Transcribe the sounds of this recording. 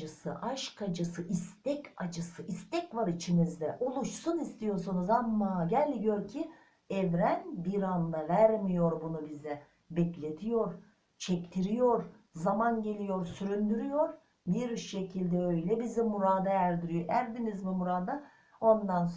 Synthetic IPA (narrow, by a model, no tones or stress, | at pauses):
ɯsɯʔaʃkʰad͡ʒɯsɯʔist̪ʰɛcad͡ʒɯsɯʔist̪ɛcvaɾit͡ʃʰimizd̪ɛʔo̞lˠuʃsunist̪ijo̞ɾs̬unuzamːaːɟælʲɟøɾcʰi | ɛvɾænbiɾand̪avæɾmijo̞ɾbunubizɛ | bɛclʲe̞t̪ʰijo̞ɾ | t͡ʃʰɛct̪ʰiɾijoɾ | zamanɟe̞lʲijo̞ɾsyɾynd̪yɾyjo̞ɾ | biɾʃːe̞cʰilʲd̪ɛø̞jlʲɛbizɛmuɾaːd̪aæɾd̪iɾijoʔæɾd̪inizmimuɾad̪a | o̞nd̪ans